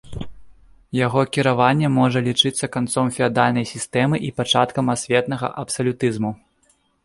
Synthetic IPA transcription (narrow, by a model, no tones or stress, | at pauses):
jaɣɔkʲiɾavanʲːɛmɔʐɐlʲit͡ʂɨt̪sːɐkant̪sɔmfʲɛad̪alʲnɐjsʲist̪ɛmɨʔipat͡ʂa̰t̪kɐmasʲvʲɛt̪nɐɣɐ̰ʔɐpsɐlʲut̪ɨzmu